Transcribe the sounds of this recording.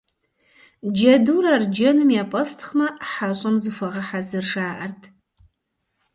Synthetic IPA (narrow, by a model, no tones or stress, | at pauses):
d͡ʒɐduːrɐrd͡ʒɐnɨmjaːpʼɐstʰχmɐħaɕʷʼɐmzɨfɐʁɐħazɨrʂaːʔɐrtʰ